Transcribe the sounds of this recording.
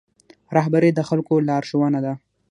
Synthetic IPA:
ɾɑɦbaɾed̪əxalkolɑɾʃowanad̪a

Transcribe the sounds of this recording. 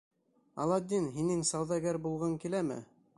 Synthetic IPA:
ɑ̰lˠɑd̪ʲːinɦinɘŋsɑwðɑɡæɾbulˠʁɤŋkilæmɘ̰

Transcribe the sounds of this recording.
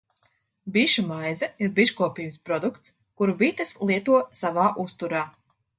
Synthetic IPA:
biʃumajzɛiɾbiʃkuɔpiːmspɾɔd̪ukt̪s | kuɾbit̪ɐslˠiɛt̪uɔsavaːʔust̪uɾaː

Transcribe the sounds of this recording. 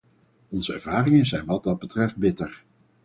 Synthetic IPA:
ɔnzəɛ̰ɹv̥aːrɪŋənzɛjnʋɑd̚dɑd̚bətrɛft̚bɪtəɹ

